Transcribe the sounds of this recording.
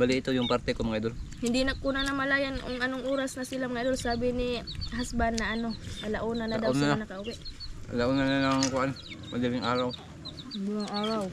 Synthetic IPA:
balɪɪt̪ojʊŋpaɾt̪ɛkomaŋajd̪ʊlhɪnd̪inɐkunanɐmɐlaːjanʔoŋɐnoŋʔuːɾasnɐsɪlamaŋajd̪olsaːbɪniɦasbanːɐʔɐnoɐlaʔuːnanad̪awlanɐkɐʔʊwɛʔɐ̰laʔunananaŋkʊʔan | mad͡ʒalɪŋʔaːɾaw | dulaŋʔaːɾaw

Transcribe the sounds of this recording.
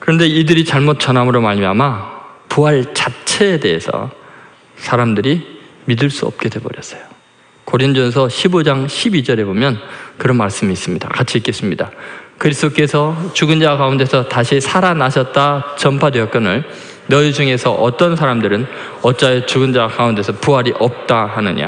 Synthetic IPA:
kɯɾʌnde̞idɯɾit͡ɕaɭmot̚t͡ɕ͈ʌnɦamɯɾomaɭmia̰mapuɦaɭt͡ɕat͡ɕʰe̞ːde̞̰ːsʰʌ̰ | sʰaɾamdɯɾimidɯɭs͈uʌ̰p̚k͈e̞dwe̞bʌɾjʌs͈ʌ̥jo̥ | koɾind͡ʑosʰʌɕʰibod͡ʑaŋɕʰibid͡ʑʌɾe̞bomjʌnkɯɾʌnmaɭs͈ɯmiːs͈ɯmɲida̰kat͡ɕʰiːk͈e̞s͈ɯmɲidakɯɾisʰɯd̥ok͈e̞sʰʌt͡ɕuɡɯnd͡ʑawkaunde̞sʰʌtaɕʰisʰaɾanaɕʰʌt̚t͈at͡ɕʌmpʰadweʌk̚k͈ʌnɯɭ | nʌid͡ʑuŋe̞sʰʌʔʌt͈ʌnsʰaɾamdɯɾɯn | ʌt͡ɕ͈aet͡ɕuɡɯnd͡ʑakaunde̞sʰʌpuɦaɾiʔʌp̚t͈ahanɯɲa̰

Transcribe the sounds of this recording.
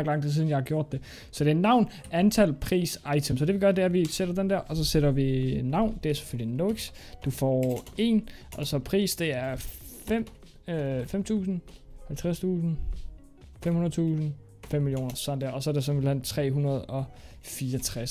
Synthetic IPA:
ɡ̥lɑ̈ŋ̰t͡sʰesiːðˠn̩jɑahɑ̈ɡjo̝ɐ̰d̥ːe̝ | sɒ̽d̥e̝ænɑ̈ʊn | ænt͡sʰæl̰pʰʁḭːsɑ̈ɪt͡sʰemsɒ̽d̥e̝ʋiɡ̥ɶːɐd̥e̝æɐʋiseɾ̥ɐd̥end̥æɐ̰ʔɒ̽sɒ̽seɾɐʋinɑ̈ʊ̰nd̥e̝æɐse̥føl̰linoɡ̥sd̥ufɒ̰ːe̝n | ʔɒ̽sɒ̽pʰʁḭːsd̥e̝æɐfem̰ | fem̰t͡sʰṵːsn̩hælt͡sʰʁast͡sʰṵːsn̩ | femhunɐðˠt͡sʰṵːsn̩ | femːiljo̝̰ːnɐsɒnd̥æɐɒ̽sɒ̽æɐd̥e̝s̬ɒ̽blæn̰t͡sʰʁɛ̰ːɦunɐð̞̩ˠɒ̽ | fiːɐɒt͡sʰʁas

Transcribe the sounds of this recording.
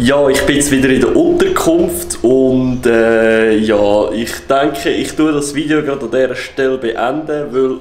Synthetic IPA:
jɑːɪχb̥ɪt͡svɪdəɾɪdəʔʊntəɾkʰχʊmftʰʊntɛːjɑːɪχtɛŋkχəɪχtudɑsviːdeoɡɾɑdɑdɛːɾəʃtɛlbeʔɛndəvɪl

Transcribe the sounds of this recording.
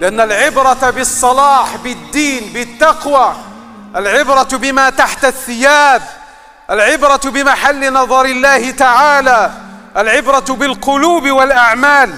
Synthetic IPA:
lɪʔanːalʕɪbɾˤɑt̪abɨsˤːɑlɑːħbɪd̪ːiːnbɪt̪ːɑqwa | ʔalʕɪbɾˤɑbɪmaːt̪aħt̪aθːɪjaːd | ʔalʕɪbɾɑbɪmaħalːɪnɑðˤɑɾɪlːaːhɪt̪aʕaːlaːʔalʕɪbɾˤɑbɪlqʊluːbwalʔaʕmaːl

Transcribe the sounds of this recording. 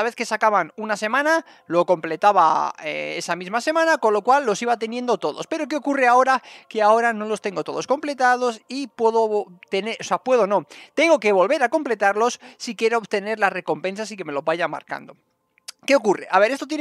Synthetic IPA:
aβe̞θke̞sakaβanunase̞mãna | lo̞ko̞mple̞t̪aβa̰ee̞samizmase̞mãnako̞nlo̞kwalːo̞siβat̪e̞nje̞nd̪o̞t̪o̞ðo̞spe̞ɾo̞k̬e̞o̞kureao̞ɾake̞ao̞ɾano̞lo̞st̪e̞ŋɡo̞t̪o̞ðosko̞mple̞t̪að̞o̞sipwe̞ðot̪eneʔosapwe̞ð̞o̞no̞t̪e̞ŋɡo̞ke̞β̞o̞lβe̞ɾako̞mple̞t̪aɾlo̞sːikje̞ɾoːβt̪e̞ne̞ɾlare̞ko̞mpe̞ns̬asike̞me̞lo̞βaʝama̰ɾka̰nd̪o̞ | ke̞okure̞ʔaβe̞ɾe̞st̪ot̪je

